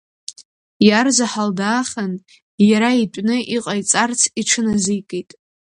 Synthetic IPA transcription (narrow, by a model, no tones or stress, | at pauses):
jarzaħaldaːχan | jaɾaitʷʼnɨʔiqʼajt͡sʼart͡sʰiʈ͡ʂʰɨnazɨjkʼejtʼ